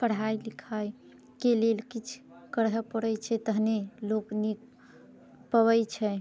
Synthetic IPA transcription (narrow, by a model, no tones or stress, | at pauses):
pəɽ̤ɦajlikʰaj | kelelkit͡ʃʰkəɾɦəpəɽət͡ʃʰɛt̪əɦneloknik | pəβəjt͡ʃʰɛ